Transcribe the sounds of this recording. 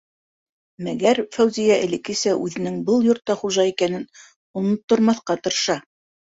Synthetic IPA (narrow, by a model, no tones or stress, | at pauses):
mæɡæɾfæwzijæʔɘ̰̆lɘ̆kɘsæʔʉðɘ̆nɘŋbɤlˠjŏɾt̪ːɑχuʒɑikænɘn | ŭnŏt̪ːŏɾmɑθqɑt̪ɤ̆ɾɤ̆ʃɑ